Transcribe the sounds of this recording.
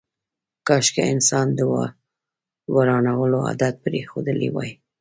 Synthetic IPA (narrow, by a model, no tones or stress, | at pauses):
kɑʃkeɪnsɑnd̪əw | waɾɑnawəloa̰d̪at̪̚pɾexod̪əlḭwɑ̰j